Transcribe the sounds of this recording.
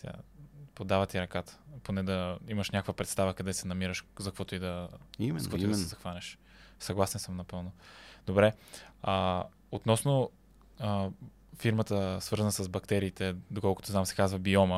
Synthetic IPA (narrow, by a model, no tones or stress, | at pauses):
t̪ʲa̰pod̪avət̪iɾɐkat̪ə̥ponɛd̪ɐiməʃnʲakəkvəpɾɛt̪st̪avəkɐd̪ɛsɛnɐmiɾəʃzɐkvɔt̪ʊid̪ɐzɐkvɔtʊidsɛzɐxvanʲɛʃ | sɐɡlˠasɛnsəmnɐpɤlˠnʊd̪̥obɾɛ | ot̪nɔsno | fiɾmət̪əsvɤɾzənəsəzbɐkt̪ɛɾiːt̪ɛd̪okɔlˠkʊ̥t̪ozamsɛ̥kazvəbiɔmə